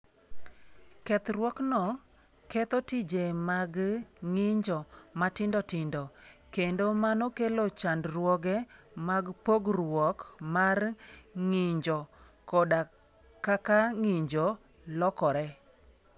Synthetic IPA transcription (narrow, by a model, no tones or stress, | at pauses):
kɛt̪ɾwɔknɔ | kɛt̪ɔtid͡ʒemaɡŋɪɲd͡ʒɔmatɪndɔtɪndɔkendomanɔkelot͡ʃandrwɔɡɛ | maɡpoɡrwɔkmarŋɪɲd͡ʒɔ | kɔda | kakaŋɪɲd͡ʒɔ | lɔkɔɾɛ